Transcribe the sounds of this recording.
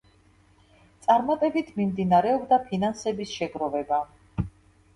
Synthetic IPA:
t̪sʼaɾmat̪ʼɛbit̪ʰmimd̪inaɾɛɔbd̪apʰinansɛbisʃɛɡɾɔvɛba

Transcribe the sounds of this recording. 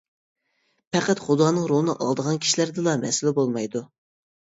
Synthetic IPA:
pʰɛqæt̪χud̪ɑːnɨŋɾolˠɨnɨ̰ʔɑ̰lˠd̪əʁɑnkʲʰi̥ʃilæɾd̪ɨlˠɑmɛ̰sɪlɪbolˠmɑjd̪u

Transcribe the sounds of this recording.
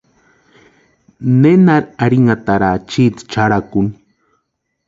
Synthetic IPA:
nenaɾaɾiŋat̪aɾat͡ʃit̪t͡ʃaɾakun

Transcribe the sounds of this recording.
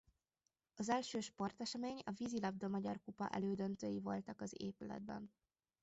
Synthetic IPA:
ɒzɛlʃøːʃpo̞rt̪ɛʃɛmeːɲɒvizilɒbd̪omɒɟɒrkupɒ̰ʔɛ̰løːd̪ønt̪øːjivo̞lt̪ɒkɒzḛːpylɛ̰d̪̚bɛ̰n

